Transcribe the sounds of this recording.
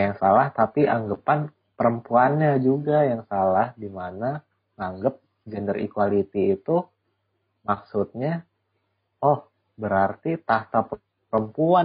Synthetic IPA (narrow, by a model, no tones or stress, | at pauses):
jaŋsalaht̪apiʔaŋɡəpan | pəɾəmpuanɲad͡ʒuɡajaŋsalahdimana | ŋaŋɡəp̚ | d͡ʒɛndərḭkwalit̪iːt̪u | maksut̪̚ɲa | ɔh | bəɾart̪it̪aht̪ap | pəɾəmpua